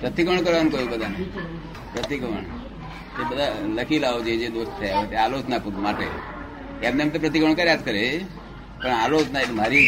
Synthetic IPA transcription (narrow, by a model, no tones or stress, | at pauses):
pɾət̪ikəɳ̃kəɾankoibəd̪ʱana | pɾət̪ikʋəɳ | t̪ebəd̪ʱaləkilaod͡ʒed͡ʒed̪ost̪t̪ʰeaot̪eaːlot͡ʃnapuɾmaʈḛ | janemt̪əpɾət̪̬ikʋəɳ̃kaɾjat̪kəɾe | pəɳalot͡ʃnaet̪m̤aɾiː